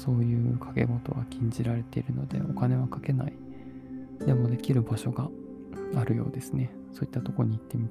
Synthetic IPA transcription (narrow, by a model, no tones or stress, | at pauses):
so̞ːjɯ̟ːkʰḁke̞̰mo̞t̪o̞̰βa̰kʲʰĩɲ̟d͡ʑiɾaɾe̞t̪e̞iɾɯ̟no̞d̪e̞̰o̞kane̞βakake̞nai | d̪e̞mo̞d̪e̞kʲiɾɯ̟baɕo̞ɡa | aɾɯ̟jo̞̰ːd̪e̞sɨne̞ | soːi̥t̪ːat̪o̞koɲ̟iːt̪ːe̞mʲit̪